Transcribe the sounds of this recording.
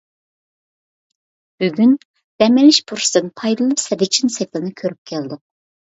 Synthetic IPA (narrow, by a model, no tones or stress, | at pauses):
b̥yɡʲyn | d̪̥ɛmɪlɪʃbʰuɾsd̪ɨnpʰɑjd̪ɨlˠɨpsɛd̪it͡ʃʰinsɛkʲlˠɨnɨkʲʰøɾyp̚kʲʰɛld̪ɪq̚